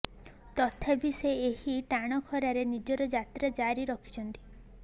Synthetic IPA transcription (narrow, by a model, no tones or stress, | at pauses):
t̪ɔt̪ʰabiseehiʈaɽ̃ɔkʰɔɾaɾenid͡ʒɔɾɔd͡ʒat̪ɾad͡ʒaɾiɾɔkʰi̥t͡ʃʰɔnt̪i̥